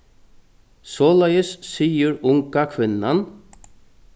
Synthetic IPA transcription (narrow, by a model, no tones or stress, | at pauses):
sɔːlajəsːiːjəɾʊŋkakʰʋɪnːan